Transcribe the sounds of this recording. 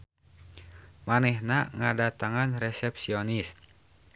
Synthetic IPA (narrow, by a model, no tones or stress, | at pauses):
manɛhnaŋadat̪aŋanrɛsɛpsionis